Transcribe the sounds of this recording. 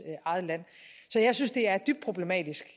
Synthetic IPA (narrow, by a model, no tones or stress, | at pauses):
ʔɑ̈ɪð̩ˠəlæn̰sɒ̽jäɪsynsd̥e̝æɐd̥yb̥̚d̥pʰʁob̥le̝mɛ̰ːd̥isɡ̥